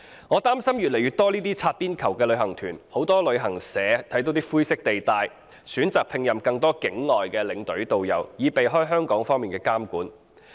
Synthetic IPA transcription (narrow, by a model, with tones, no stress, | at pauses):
ŋɔː˨˧t̪aː˥msɐ˥mjyː˨t̚le˨˩jyː˨t̪ɔː˥liː˥t̪iː˥t͡sʰaː˧t̚piː˥nkʰɐ˨˩wkɛː˧lɵ˨˧ɥhɐ˨˩ŋt̪ʰyː˨˩nho˨˥wt̪ɔː˥lɵ˨˧ɥɦɐ˨˩ŋsɛː˨˧˥t̪ʰɐ˨˥jt̪o˨˧wt̪iː˥fuː˥jsɪ˥k̚t̪e˨jt̪aː˨˧j | syː˨˥nt͡saː˨k̚pʰɪ˧ŋjɐ˨mkɐ˧ŋt̪ɔː˥kɪ˨˥ŋlɔː˨jkɛː˧lɪ˨˧ŋt̪ɵ˨˥ɥt̪o˨wjɐ̰˨˩wjiː˨˧pe˨jɦɔː˥jɦœː˥ŋkɔː˨˥ŋfɔː˥ŋmiː˨nkɛː˧kaː˥mkuː˨˥n